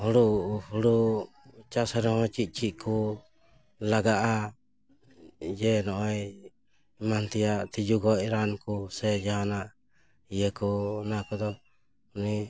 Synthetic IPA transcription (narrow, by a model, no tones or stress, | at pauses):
hɔɽuhuɽu | t͡ʃasɛɾɛhɔt͡ʃiʔ̪̚t͡ʃiʔkʰu | laɡaʔa | d͡ʒɛnɔʔɔj | mant̪ijaʔt̪id͡ʒuɡɔiɾankusɛd͡ʒaɦanaʔ | ijɛkunakɔd̪ɔ | uni